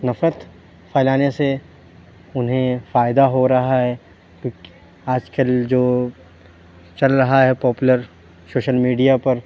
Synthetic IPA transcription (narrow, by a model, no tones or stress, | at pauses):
nɐfɾət̪ | faːɪlaːnese | ʊnɦẽfaːɪd̪aɦoɾɐɦaɦɛ | kjõːki̥ | aːd͡ʒkəld͡ʒoː | t͡ʃɐlɾɐɦaɦɛpɔːpʊləɾ | soːʃəlmiːɖijapɐɾ